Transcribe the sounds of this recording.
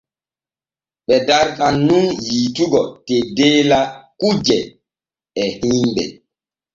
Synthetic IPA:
ɓɛdaɾkanːunjituɡɔtɛdeːlakud͡ʒɛ | ɛhimɓɛ̰

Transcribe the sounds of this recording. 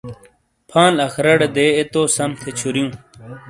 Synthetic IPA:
pʰãːnɐxɾɐɽed̪eːet̪oːsɐmt̪ʰet͡ɕʰuɾjũː

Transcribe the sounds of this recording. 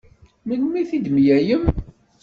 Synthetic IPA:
mənmiθid̪mjæjəm

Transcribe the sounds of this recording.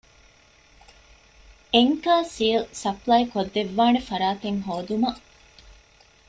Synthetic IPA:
eŋkaːsilsɐplajkod̪ːeʋːaːnefɐɾaːt̪eŋɦoːd̪umɐ

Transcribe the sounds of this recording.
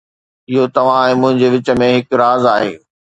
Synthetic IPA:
ɪɦot̪ɐʋ̤ãẽmʊ̃ɦɪ̃ɲd͡ʑeʋɪt͡ɕə̆mẽɦɪkɾaːzaːɦḛː

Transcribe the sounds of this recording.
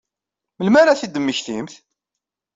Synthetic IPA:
məlmæɾaθid̪ːəmːəçθimθ

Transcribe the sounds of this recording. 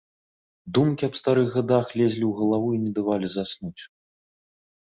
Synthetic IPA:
d̪umkʲiɐpst̪aɾɨɣɣad̪axlʲɛzʲlʲiwɣɐlˠavuinʲɛd̪avalʲizasnut͡sʲ

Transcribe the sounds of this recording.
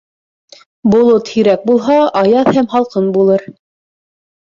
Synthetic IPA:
bŏlˠot̪hĭɾæk̚bulˠɦɑɑjɑθhæmɦɑlˠqɤnbulˠɤɾ

